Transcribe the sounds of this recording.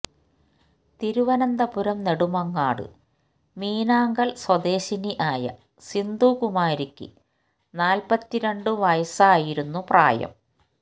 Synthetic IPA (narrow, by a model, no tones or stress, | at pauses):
t̪iɾuʋɐnɐnd̪ɐpuɾɐmne̞ɽumɐŋːaːɽɨ̰ | miːnaːŋɡɐlswɐd̪e̞ːɕiniʔaːjɐ̰ | sind̪uːkumaːɾikʲːɨ̰ | naːlpɐt̪ːiɾeɳɖɨʋɐjɐsaːjiɾunːupra̰ːjɐ̰m